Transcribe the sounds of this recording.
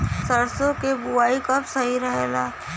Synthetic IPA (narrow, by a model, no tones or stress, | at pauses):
səɾsõkebuaːikɐpsɐɦiɾəɦelaː